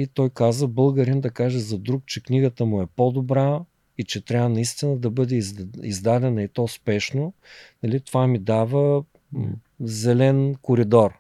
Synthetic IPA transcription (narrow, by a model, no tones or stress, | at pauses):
it̪ɔjkazəbɤlˠɡəɾind̪ɐkaʒɛzɐd̪ɾuk̚t͡ʃɛkniɡət̪əmʊɛpod̪obɾa | it͡ʃɛt̪ɾʲavənɐist̪inəd̪ɐbɤd̪ɛizd̪ad̪ɛnɐit̪ɔspɛʃnonɐlit̪ovamid̪avə | zɛlɛnkoɾid̪ɔr